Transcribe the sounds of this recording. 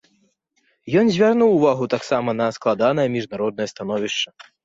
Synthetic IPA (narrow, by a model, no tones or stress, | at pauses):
jɔnzʲvʲarnuwːvaɣut̪aksamɐnɐsklˠad̪anɐjɐmʲiʐnaɾɔd̪̚ɐjɐst̪anɔvʲiʂt͡ʂɐ